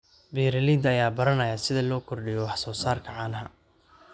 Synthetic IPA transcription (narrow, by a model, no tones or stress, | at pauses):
biːɾɐliːd̪ɐjaːbɐɾɐnɐjaːsɪðɐlɔːkʰɔrɖɪjɔwɑħsɔːsaːrkʰɐʕɑːnɐɦɐ